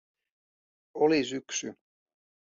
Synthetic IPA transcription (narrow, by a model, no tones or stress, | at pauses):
olisyksy